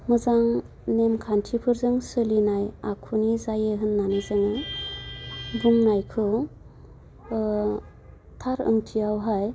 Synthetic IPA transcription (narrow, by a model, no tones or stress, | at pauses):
mɯzaŋ | nemkʰantʰipʰɯɾzɯŋsɯlinajakʰunizajɯɦɯnːanɯzɯŋɯ | bumnajkʰɯ | tʰaɾɯ̰ŋtʰijawɦaj